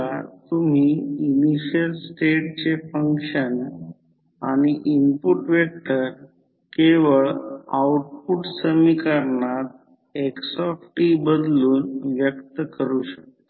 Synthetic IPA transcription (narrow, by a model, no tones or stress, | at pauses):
at̪um̤iiniɕəlsʈeʈ̚t͡ɕefəŋkɕən | aɽ̃iʔimpuʈʋek̚t̪əɾ | keʋəɭawuʈ̚puʈsəmikaɾnat̪̚ | eksɔfʈibəd̪luːnʋjəkt̪əkəɾuːɕək̪̚t̪a